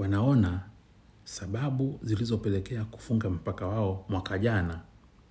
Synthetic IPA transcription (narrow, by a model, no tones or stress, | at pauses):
wanaɔna | saɓaɓuzilizɔpɛlɛkɛaku̥fuŋɡam̩pakawaɔmwakaʄana